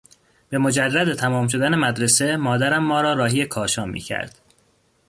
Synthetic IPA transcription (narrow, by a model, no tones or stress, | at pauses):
b̥e̞mo̞d͡ʒærːæd̪et̪ʰæmɒːmʃ̬o̞d̪æne̞mæd̪ɾese̞mɒːd̪æɾæmːɒːɾɒːɾɒːɦiːekʰɒːʃɒːmḭːcʰæ̰ɾd̪̥